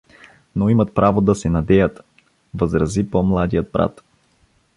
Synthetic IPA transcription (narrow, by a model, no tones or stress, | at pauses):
noimɐt̪̚pɾavod̪ɐsɛnɐd̪ɛjət̪ | vəzɾɐzipomlˠad̪ijət̪̚bɾa̰t̪